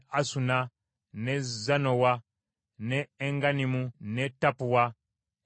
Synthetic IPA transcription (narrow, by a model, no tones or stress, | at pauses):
asuna | nezanowa | neːŋɡanimunetːapuwa